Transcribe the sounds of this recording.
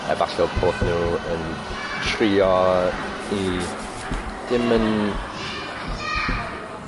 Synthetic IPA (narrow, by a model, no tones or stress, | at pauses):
ɛ̰baɬɛlpʰoːdnuːən | tʰriːɔ | i | d̥ɪmən